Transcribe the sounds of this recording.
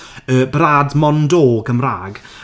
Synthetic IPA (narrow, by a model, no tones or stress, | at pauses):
əːbraːdmɔndoːɡəmraːɡ